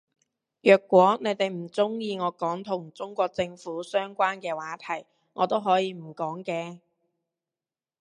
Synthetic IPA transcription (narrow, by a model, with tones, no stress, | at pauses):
jœː˨kʷːwɔː˨˥ne˨˧jt̪e˨jm̩˨˩t͡sʊ˥ŋjiː˧ŋɔː˨˧kɔː˨˥ŋt̪ʰʊ˨˩ŋt͡sʊ˥ŋkʷɔː˧k̚t͡sɪ˧ŋfuː˨˥sœː˥ŋkʷaː˥nkɛː˧waː˨˥t̪ʰɐ˨˩j | ŋʔɔː˨˧t̪o˥wɦɔː˨˥jiː˧m̩˨˩kɔː˨˥ŋkɛː˧